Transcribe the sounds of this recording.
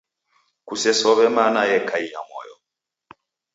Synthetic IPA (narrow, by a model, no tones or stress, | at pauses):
kusɛsɔβɛmanajɛkʰaija̰mɔ̰jɔ̰